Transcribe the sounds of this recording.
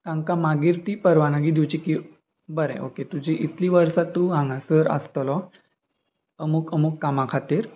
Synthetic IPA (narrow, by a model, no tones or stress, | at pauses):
k̪ãŋkamaɡiɾt̪iːpəɾʋanaɡid̪iwt͡ɕiki | bəɾɛ̰̃ʔoket̪ud͡ʑiʔit̪liːʋəɾsat̪ːuɦãŋɡasəɾə̰st̪lɔ | əmukəmukːamakʰat̪iːɾ